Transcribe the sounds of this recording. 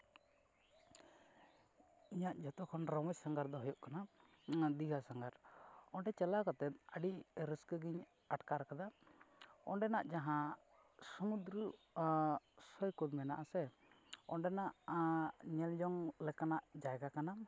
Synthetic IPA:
iɲaʔd͡ʒɔt̪ɔkʰɔnɾɔmɔsaŋɡaɾd̪ɔɦɔjɔʔkana | d̪iɡasaŋɡaɾɔɳɖɛt͡ʃɛlakɔt̪ɛt̪̚əɖiʔɾiskəɡiɲ | aʈkaɾkad̪a | ɔɳɖɛnaʔd͡ʒaɦã | sɔmud̪ɾə | sɔjkud̪mɛnaʔasɛ | ɔɳɖɛnaʔ | ɲɛld͡ʒɔŋlɛkanaʔd͡ʒajɡakana

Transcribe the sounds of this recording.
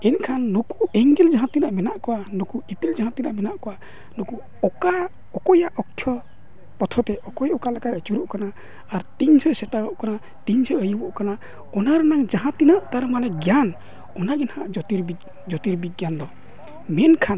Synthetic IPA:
ɛnkʰanːɔkuɛŋɡɛld͡ʒaɦãt̪inaʔmɛnaʔkɔwanɔkuipild͡ʒaɦãt̪inaʔmɛnaʔkɔwa | nɔku | ɔka | ɔkɔjaʔɔkʰjɔ | pɔt̪ʰɔt̪ɛʔɔkɔjɔkalakajət͡ʃuɾuʔkanaː | ɾt̪iɲsɔsɛt̪aɡɔʔkana | t̪iɲsʰɔəjubɔʔkana | ɔnaɾɛnaŋd͡ʒaɦãt̪inaʔt̪aɾmanɛɡjan | ɔnaɡɛnhaʔt̪iɾbi | d͡ʒɔt̪iɾbiɡjand̪ɔ | mɛnkʰan

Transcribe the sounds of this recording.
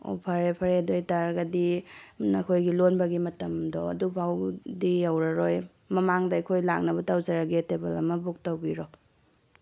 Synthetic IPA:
o̰pʰɐɾepʰɐɾedojtaɾɐɡɐdinɐkʰojɡilonbɐɡimɐtɐmdɔɐ̰dubʱawdiɐwɾɐɾoj | mɐmaŋdɐɐjkʰojla̰k̚nɐbɐtawzɐɾaɡitebelɐmɐbuk̚tɐwbiɾɔ

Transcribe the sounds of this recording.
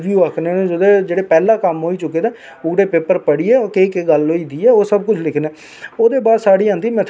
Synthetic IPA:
d͡ʒuəkʰneːnẽːd͡ʒʊd̪eːd͡ʒeːɽeːpɛːlãːkəmɦoːiːt͡ʃʊkːeːd̪eː | ʊɡɽeːpeːpəɾpəɽiːɛːkekeɡəlɦoːiːd̪iːɛːoːsəb̚kʊt͡ʃʰlɪkʰneː | oːd̪eːbaːd̪saːɽiːãːnd̪iːmɛ̃ːt̪ʰ

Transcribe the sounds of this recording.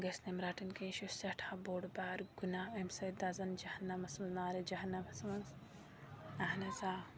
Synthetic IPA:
ɡɐsnemɾaːʈinkẽːʃusɐʈʰaboːɽbaːɾɡunaːemsɐd̪azɐnd͡ʒɐhɐnːɐmɐsmɐznaːɾed͡ʒɐɦɐnːɐmɐsmɐnz | ɐɦnɐzaː

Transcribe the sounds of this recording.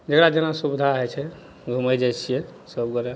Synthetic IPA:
d͡ʒəkɽad͡ʒenasubd̪ʱaɦɛjt͡ʃʰɛ | ɡʱuməjd͡ʒajt͡ʃʰijɛsəbɡɔɾɛ

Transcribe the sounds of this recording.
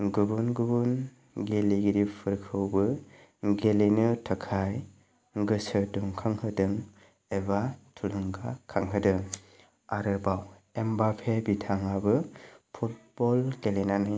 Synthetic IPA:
ɡɯbunɡubun | ɡeliɡiɾipʰɯɾkʰɯwbɯ | ɡelinɯtʰakʰaj | ɡɯsɯduŋkʰaŋhɯdɯŋ | ebatʰuluŋɡakʰaŋɦɯdɯ | aɾɯbaw | embapʰebitʰaŋabɯpʰut̚b̥ɔlɡ̥elenanɯ

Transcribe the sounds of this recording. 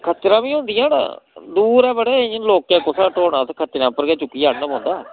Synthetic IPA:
kʰət̪ːɾãːʋĩːɦõːnd̪ijãːna̰ːd̪uːɾɛːbəɽeːloːkẽːkʊsaːʈoːɽãːt̪ːkʰət̪ːɾãːpəɾɡeːt͡ʃʊkːiːaːnnəmõːnd̪aː

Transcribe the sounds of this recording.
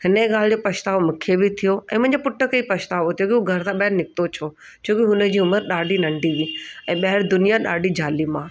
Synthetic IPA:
hɪnəeɠaːl̤ɪd͡ʑopɐʃt̪aːʋmʊ̃kʰebɪt̪ʰijoʔɛ̃ːmʊ̃ɦɪ̃ɲd͡ʑepʊʈʰːəkipɐʃt̪aːʋot̪ʰijokiɦuɡʱɐɾt̪ãɓɐɦɪɾnɪk̚t̪ot͡ɕʰo | t͡ɕʰoːkiɦʊnə̆d͡ʑiːʊməɾɗaːɖʱinɐ̃ɳɖʱiʋĩːɛ̃ːɓɐɦɪɾd̪ʊnijaɗa̰ːɖʱid͡ʑʱaːlimãː

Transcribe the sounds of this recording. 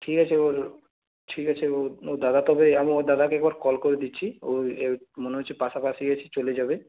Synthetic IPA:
ʈʰikat͡ɕʰeoɾ | ʈʰikat͡ɕʰeood̪ad̪at̪ɔbeamioɾd̪ad̪akeɛk̚baɾkɔlkoɾed̪itːɕʰioemoneɦot͡ɕʰipaʃapaʃiɡet͡ɕʰit͡ɕoled͡ʑabe

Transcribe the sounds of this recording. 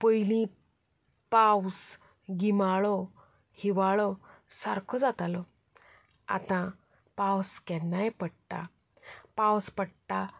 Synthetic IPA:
pəjlĩ | paws | ɡimaɭɔ | hiʋaɭɔsaɾkʰɔd͡zat̪alɔ | a̰t̪ã | pawskɛnːajpəɽt̪a̰ | pawspəɽt̪a

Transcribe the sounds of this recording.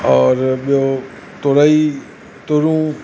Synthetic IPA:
ɔɾbjo | t̪oɾai | t̪oɾũ

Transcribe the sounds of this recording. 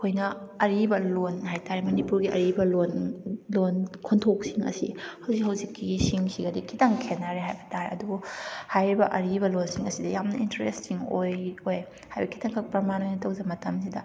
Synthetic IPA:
kʰojnɐɐɾibɐlonhajtaɾimɐnipuɾɡiʔɐ̰ɾibɐlonlonkʰontʰok̚siŋɐ̰sḭhɐwzikɦɐwzikːisiŋsiɡɐdikʰitʰaŋkʰenːaɾeɦajbɐtaɾiɐ̰dubuhajɾibɐʔɐɾibɐlonsiŋɐsidɐjamnɐintɐɾestiŋojoj | hajbɐkʰi̥tʰɐŋkʰɐk̚pɾɐmanojnitɐwzɐmɐtɐmsidɐ

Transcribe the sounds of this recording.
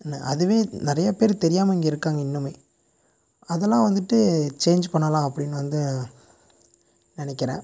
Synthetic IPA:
nːɐʔɐðɯʋeːnɪɾɐjɐpeːɾt̪ɛɾɪjaːmɐɪŋɡɐɪɾɯkːaːŋɡɐɪnːɯmeː | ɐðɛlːãːʋɐnd̪ɯʈːɯt͡ʃeːnd͡ʒpɐɳːɐlãːɐpːɐɽɪnːʋɐnd̪ɯ | nɪnɛkːɪɾɛ̰̃ː

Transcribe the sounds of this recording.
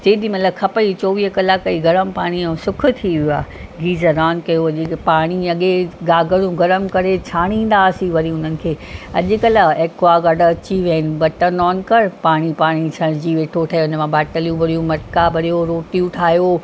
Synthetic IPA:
d͡ʑeːɗ̪imɐtləkʰɐpəit͡ɕoːʋiːɦkɐlaːkɐiɡɐɾəmpaːɽ̃ĩsʊkʰʊ̆t̪ʰiʋiua̰ː | ɡiːzəɾaːnkɐjoɐʄpaːɽ̃iɐɠeɡaːɡəɽjũɡɐɾəmkɐɾet͡ɕʰaːɽ̃ĩːn̆d̪aːsiʋɐɾiʊnənɪ̆kʰeːɐʄɪ̆kɐləeːkʋaːɡɐɖɐt͡ɕiʋɐɦɪnɪ̆bɐʈənɔːnkɐɾpaːɽ̃ipaːɽ̃it͡ɕʰɐɽ̃d͡ʑiːʋeːʈʰoʈʰaːɦjɦʊnəmãbaːʈəljũbɐɽijũmɐʈkabɐɾijoɾoːʈijũʈʰaːɦijo

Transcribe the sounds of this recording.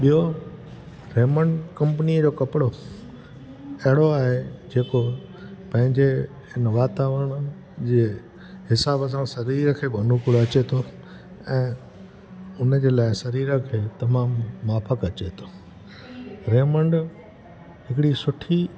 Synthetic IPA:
ɓijo | ɾeːmə̃ɳɖkɐ̃mpəniəd͡ʑoːkɐpɪɽo | ɐɦɪɽ̃oaːɦed͡ʑeːko | pɐ̃ɦɪ̃ɲd͡ʑe | ɪnəʋaːt̪aːʋəɽ̃ | d͡ʑeː | ɦɪsaːbəs̬ãsɐɾiːɾəkʰeːbʱɐnukʊɽoɐt͡ɕet̪ʰo | ɛ̃ː | ʊnə̆d͡ʑeːlaːɪsɐɾiːɾəkʰeːt̪ɐmaːmːaːfʰəkɐt͡ɕet̪ʰo̥ | ɾeːmə̃ɳɖ | ɦɪkɽisʊʈʰi

